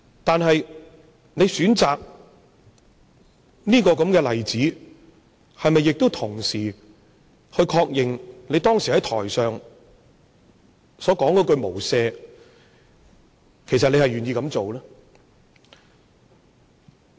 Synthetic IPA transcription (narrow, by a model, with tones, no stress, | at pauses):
t̪aː˨nɦɐ˨j | ne˨jsyː˨˥nt͡saː˨k̚ | niː˥kɔː˧kɐ˨˧˥mkɛː˧lɐ˨˩jt͡siː˨˥ | hɐ˨jmɐ˨jːɪ˨k̚t̪o˥wt̪ʰʊ˨˩ŋsiː˨˩ | hɵ˧ɥkʰɔː˧k̚jɪ˨ŋne˨˧jt̪ɔː˥ŋsiː˨˩hɐ˨˥jt̪ʰɔ̰ː˨˩jsœː˨ŋ | sɔː˨˥kɔː˨˥ŋkɔː˧˥kɵ˧ɥmo˨˩wsɛː˧ | kʰe˨˩js̬ɐ˨t̚ne˨˧hɐ˨jɥyː˨njiː˧kɐ˨˧˥mt͡so˨wlɛː˥